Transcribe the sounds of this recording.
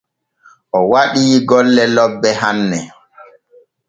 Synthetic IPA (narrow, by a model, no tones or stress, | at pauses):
ʔɔwaɗiːɡɔlːɛlɔbːɛhanːɛ